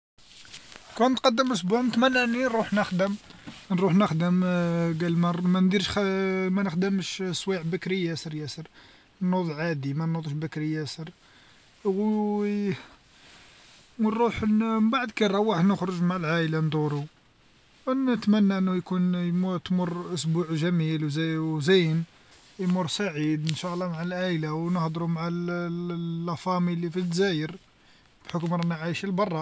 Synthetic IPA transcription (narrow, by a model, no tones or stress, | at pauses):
kænt̪qɑd̪ːəməs̬buʕnt̪mænːænːinɾˤuħnəxd̪əmnɾuħnəxd̪əmɡælmæmænd̪iɾʃmænəxd̪əmʃswiʕbækɾijːæsəɾjæsəɾ | nːod̪ˤʕad̪imænːod̪ˤʃbækɾijæsəɾ | w | wɾˤuħnbaʕd̪kæɾˤɑwaħəd̪nəxɾoʒmaʕalʕaʔland̪uɾu | wnət̪mænːaʔənːujkunjmt̪mʊrʔʊsbuʕʒæmilwzwzæjn | jmʊrˤsaʕid̪ənʃɑʔlˤːɑmaʕalʕaʔlawnəhd̪ɾumʕalː | æfɑmilifit̪zæjəɾ | b̥ħokmɾˤænʕajʃəlbɑrˤːɑ